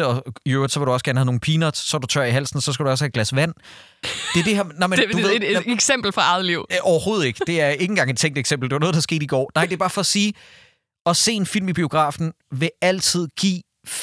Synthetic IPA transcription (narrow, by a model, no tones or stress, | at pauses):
əɒ̽iøʊd̥sɒʋeɾuɒ̽sɡ̥æːɐnəhæðno̝ːn̩pʰiːnɒd̥ssɒdut͡sʰɶ̰ɐiɦæl̰sn̩sɒ̽s̬ɡ̥æd̥uɒ̽s̬hæɡ̥læsʋæn̰ | d̥eæɐd̥e̝hæɐmnɑmedueðˠeɡ̥sem̰b̥l̩fɑɑ̈ð̩ˠliʊ̰ʔɒʊɐho̝ːð̞̩ˠe̝ɡ̥ə̥d̥e̝æɐe̝ŋn̩ɡ̥ɑ̈ŋed̥̚t͡sʰeŋ̰d̥eɡ̥sem̰b̥l̩deʋɑɐnɔð̥ˠɑ̈ːsɡ̥e̝̰ːd̥iɡ̥ɒ̰ːnɑ̈ɪ̰d̥e̝b̥ɑ̈ːfɒ̽siː | ɒ̽se̝̰ːe̝nfil̰mib̥io̝ɡ̥ʁɑ̰̈ːfn̩ | ʋe̝æl̰t͡sʰið̞̰ˠɡ̥ḭː